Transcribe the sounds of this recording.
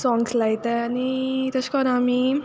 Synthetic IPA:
sɔ̃ŋɡslajt̪aanit̪əɕkɔɾami

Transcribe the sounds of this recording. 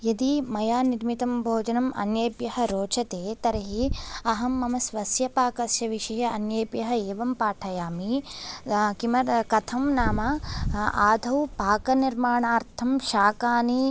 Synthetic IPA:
jɐd̪imɐjaːniɾmit̪ɐmbʱoːd͡ʒɐnɐmʔɐ̰njeːpjɐɦɐ̆ɾoːt͡ʃʰɐt̪eːt̪ɐɾɐɦiɐɦɐmːɐmɐsʋɐsjɐpaːkɐsjɐʋiʂɐjɐɐnjeːpjɐɦɐ̆eːʋɐmpaːʈʰɐjaːmi | kimɐɾkɐt̪ʰɐmnaːmɐ | aːd̪ʱɐwpaːkɐniɾmaːɳaːɾt̪ʰɐmʃaːkaːni

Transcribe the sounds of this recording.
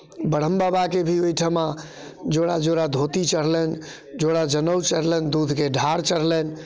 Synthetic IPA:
bəɽ̤əmbabakebʱiojʈʰəma | d͡ʒoɽad͡ʒoɽad̪ʱot̪it͡ʃəɾlɛn | d͡ʒoɽad͡ʒənəwt͡ʃəɾlɛnd̪ud̪ʱkeɖʱaɾt͡ʃəɾlɛn

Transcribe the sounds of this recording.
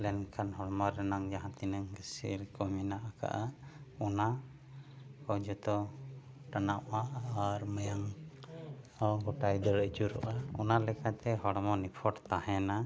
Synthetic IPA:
lɛnkʰanɦɔɽmɔɾɛnaŋd͡ʒaɦãt̪inəŋɡəsḭɾkɔminaʔaka̰ʔaɔna | kɔd͡ʒɔt̪ɔ | ʈanaʔaːɾmajaŋ | ɔɡɔʈajd̪əɽəd͡ʒuɾɔ̰ʔaɔnalɛkat̪ɛɦɔɽmɔnipʰɔʈt̪ahɛna

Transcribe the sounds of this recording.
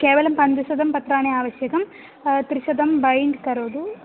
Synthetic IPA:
kɛːʋɐlɐmpɐnd̪uʃɐd̪ʱɐmpɐt̪ɾaːneaːʋɐʃjɐkɐm | t̪ɾiʃɐd̪ɐmbɐjɳɖkɐɾoːd̪u

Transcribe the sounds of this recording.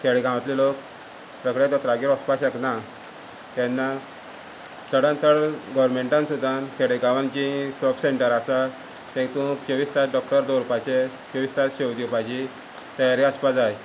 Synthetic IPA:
kʰeɽeɡãʋat̪lilok | pɾəkɽed̪ɔt̪ɾaɡiɾɔspasəkna | t̪ɛ̃nːa | t̪əɽãnt̪əɽɡɔʋɾmeɳʈãnsud̪ʱãnkʰeɽeɡãʋãnt͡ɕisɔpseɳʈəɾasa | t̪ɛ̃t̪ũkt͡ɕəʋiːst̪at̪ɖɔk̚ʈəɾd̪oɾupat͡ɕe | t͡ɕəʋiːst̪at̪ɕewd̪iupajt͡ɕi | t̪əjaɾiaspad͡zaj

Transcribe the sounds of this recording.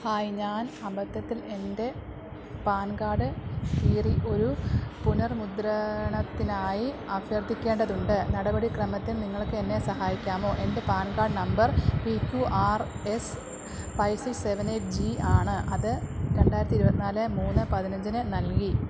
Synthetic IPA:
haːjiɲaːnɐbɐt̪ːjɐt̪ːile̞nde̞ | paːnɡaːɽɨiːriʔo̞ɾupunɐrmud̪ɾɐɳɐt̪ːinaːjiɐpjɐrt̪ːikʲːe̞ːɳɖɐðuɳɖɨnɐɽɐbɐɽikrɐmɐt̪ːinniŋːɐɭokːɨenːe̞sɐhaːjikʲːaːmo̞ːʔe̞nde̞paːnɡaːrɖɨnɐmbɐrpikːuʔaːr | e̞s | pɐjsiseʋɐneːʈ̚d͡ʑiaːɳɨʔɐðɨɾe̞ɳɖaːjɾɐt̪iɾubɐt̪ːinaːlɨmuːnːɨpɐðinɐɲd͡ʑinɨnɐlki

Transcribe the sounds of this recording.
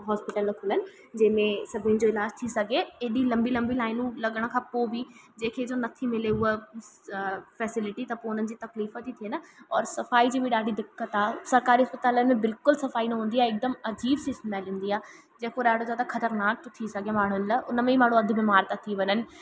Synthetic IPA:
ɦɔːspɪʈəlːɐkʰʊlənɪ̆ | d͡ʑɐ̃ːmẽsɐbʱiɪʊ̃nd͡ʑoɪlaːd͡ʑt̪ʰisɐɡʱeeːɗilɐ̃mbilɐ̃mbilaːɪnũlɐɠəɽ̃kʰãːpoːbʱi | d͡ʑeːkʰeɪd͡ʑonɐt̪ʰimɪleʊe | fɛːsɪlɪʈit̪ɐpoʊn̤ənɪ̆d͡ʑiːt̪ɐkliːfət̪it̪ʰiənəɔːɾsɐfaːid͡ʑiːbiɗaːɽid̪ɪkːət̪aːsɐɾkaːɾiɦɐspət̪aːlənẽbɪlkʊlsɐfaːinɐɦũːnd̪iaːɪk̚d̪əmɐd͡ʑiːbsɪsʈmalɪ̃ːnd̪iaː | d͡ʑeːkoɗaːɽod͡ʑat̪akʰɐt̪əɾnaːk̚t̪ʰisɐɡʱemaːɳ̤ʊənlaʔʊnəmẽimãːɳ̤ũɐd̪ʱbimaːɾt̪at̪ʰiʋɐnənɪ̆

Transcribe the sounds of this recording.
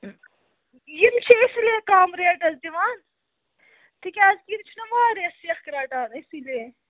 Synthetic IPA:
jimt͡ʃʰiisileːkaːmɾeːʈɐzd̪iʋaːn | t̪ikʲaːzkiɾt͡ʃʰunɐʋaːɾesiɐxkɾaːʈaːnisileː

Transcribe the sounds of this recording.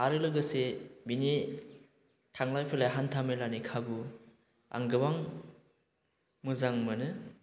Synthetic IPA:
aɾɯlɯɡɯsebini | kʰaŋlajpʰɯlajɦantʰamelanikʰabu | a̰ŋɡɯbaŋ | mɯzaŋmɯnɯ

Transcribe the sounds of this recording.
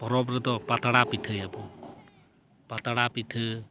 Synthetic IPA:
pɔɾɔbɾət̪ɔpat̪ɽapiʈʰəjabu | pat̪ɽapiʈʰə

